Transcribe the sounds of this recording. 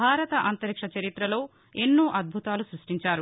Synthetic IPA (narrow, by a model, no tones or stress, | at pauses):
aːɾɐt̪ɐʔɐnt̪ɐɾikʂɐt͡ʃɐɾit̪ɾɐlo̞ː | enːuːʔɐd̪̚bʱut̪aːlusɾuʂʈiɲt͡ʃaːɾu